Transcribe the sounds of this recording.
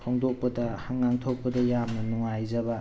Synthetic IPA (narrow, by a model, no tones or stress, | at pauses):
tʰoŋdɔk̚pɐdɐhaŋːaŋtʰok̚pɐdɐjamnɐnuŋajzɐbɐ